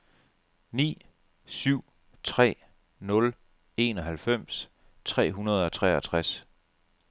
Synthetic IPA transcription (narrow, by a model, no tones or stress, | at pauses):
nḭː | syʊ̰ | t͡sʰʁɛ̰ː | nɔ̽l | e̝nɒ̽ɦælfem̰s | t͡sʰʁɛ̰ːɦunɐð̞̩ˠɒ̽t͡sʰʁɛ̰ɐt͡sʰʁas